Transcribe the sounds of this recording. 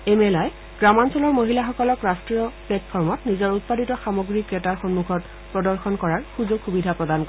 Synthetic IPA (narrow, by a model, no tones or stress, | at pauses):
emɛlaj | ɡ̥ɹamansɔlɔɹmoɦilaxɔkɔlɔkɹastɹiɔplɛtpʰɔɹmɔtnizɔɹut̚paditɔxamɔɡɹikɹɛtaɹxɔnmuɡʰɔt | pɹɔdɔɹxɔnkɔɹaɹxuzoɡxubidʱapɹɔdankɔ